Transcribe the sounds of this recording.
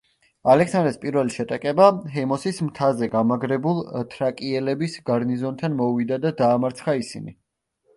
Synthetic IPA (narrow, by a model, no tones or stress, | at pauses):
alɛksand̪ɾɛspʼiɾvɛliʃɛt̪ʼakʼɛbaɦɛmɔsismt̪ʰazɛɡamaɡɾɛbulˠt̪ʰɾakʼiɛlɛbisɡaɾnizɔnt̪ʰanmɔuvid̪ad̪ad̪aːmaɾt̪sʰχaisinḭ